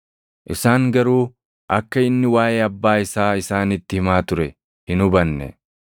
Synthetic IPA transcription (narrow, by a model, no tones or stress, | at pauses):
ʔɪsaːŋɡɐɾuː | ʔɐkːɐɪnːɪwaːjeːɐbːaːɪsaːɪsaːnɪt̪ːɪhɪmaːt̪ʊɾɛ | hɪnʊbɐnːɛ̰